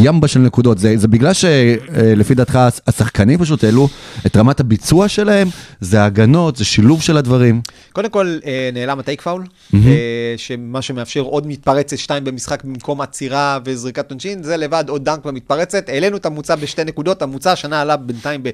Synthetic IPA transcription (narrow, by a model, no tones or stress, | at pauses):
jambaʃelnekudo̞t̪zezebiɡlalʃelefid̪aːt̪χaasaχkanimpaʃ̬ut̪eluetʁamathabit͡suaʃelahe̞mzeaɡano̞tzeʃiluvʃe̞ladvaʁim | ko̞d̪emko̞lene̞ːlamatejkfawl | m̩ɦeʃemaʃumeafʃe̞ʁo̞d̪mit̪̚paʁe̞t͡set̪ʃtaimbe̞misχakbimko̞mat͡siʁavezʁikat̪ːonʃinze̞levad̪od̪ːaŋkvamit̪̚paʁe̞t͡se̞t̪ele̞nuet̪amut͡sabeʃtene̞kud̪o̞tamut͡saʃanaːlabent̪aimbe